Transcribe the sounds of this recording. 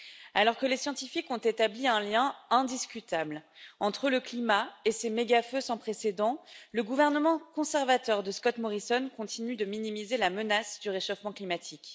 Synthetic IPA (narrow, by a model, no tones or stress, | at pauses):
alɔʁkəlesjɑ̃t̪ifikɔ̃t̪et̪abliɛ̃ljɛ̃ɛ̃d̪iskʲyt̪ablɑ̃t̪χələklimaesemeɡaføsɑ̃pχesed̪ɑ̃ləɡuvɛʁnəmɑ̃kɔ̃sɛʁvat̪œʁd̪əskɔt̪mɔʁisɔnkɔ̃t̪ʰinyd̪əminimizelamənasd̪yʁeʃɔfmɑ̃klimat̪ʰik